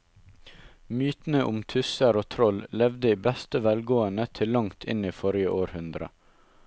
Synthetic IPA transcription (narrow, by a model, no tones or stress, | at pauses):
myːt̪n̩əʔʊmt̪ʰʉsəɾoːt̪ʰɾɔllɛʋd̪əiːbɛst̪əʋɛlɡoːənət̪ʰɪlːɑŋt̪ʰɪ̰niːfɔɾɪəʔoːɾhʉnd̪ɾə̰